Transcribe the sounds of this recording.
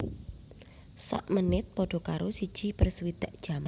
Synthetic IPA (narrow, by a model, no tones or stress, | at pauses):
sa̰ʔmənɪt̪̚pɔɖ̥ɔ̤kaɾosid̥ʒ̥ipərsuwid̪̥a̤ʔd̥ʒ̥ama